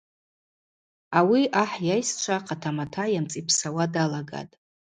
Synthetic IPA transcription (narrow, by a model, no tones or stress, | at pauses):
awiʔaħjajst͡ʃʷʰaqʼatʰamatʰajamt͡sʼipʰsawadalaɡa̰tʼ